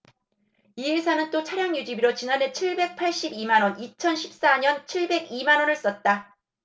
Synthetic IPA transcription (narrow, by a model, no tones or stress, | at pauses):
iesʰanɯnt͈ot͡ɕʰaɾjaŋjud͡ʑibiɾot͡ɕinane̞t͡ɕʰiɭbe̞k̚pʰaɭɕ͈ibimanwʌnit͡ɕʰʌnɕʰip̚s͈aɲʌnt͡ɕʰiɭbe̞ɡimanwʌnɯɭs͈ʌt̚t͈a